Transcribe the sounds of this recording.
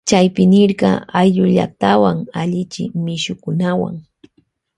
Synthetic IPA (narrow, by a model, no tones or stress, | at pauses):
t͡ʃajpɪnɪɾɢɑajʎʊʎa̰k̚t̪awaŋaʎɪt͡ʃɪmɪʃʊkʊnawa̰ŋ